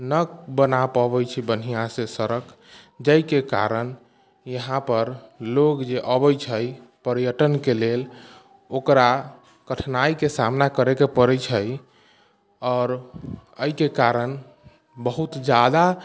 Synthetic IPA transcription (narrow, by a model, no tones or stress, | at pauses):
nəkbənapəβəjt͡ʃʰibənijãsesəɾəkʰ | d͡ʒəjkeka̰ɾən | jəɦãpəɾlokd͡ʒeʔəbəjt͡ʃʰəj | pəɾjəʈənkelel | okɾa | kəʈʰnaikesamnakəɾekepəɾət͡ʃʰəj | ɔːɾəikekaɾən | bəɦut̪d͡ʒad̪a